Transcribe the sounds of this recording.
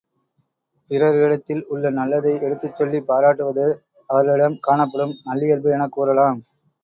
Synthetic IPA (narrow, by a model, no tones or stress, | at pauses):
pɪrɐɾɽɐt̪ːɪlʊɭːɐnɐlːɐðɐɪɛɽɯt̪ːɯt͡ʃːɔɭːipːaːɾaːʈːɯʋɐðɯ | ɐʋɐɾɐɭɪɽɐmkaːɳɐpːɐɽɯmnɐlːɪjɐlbɯɛnɐkːuːɾɐlaːm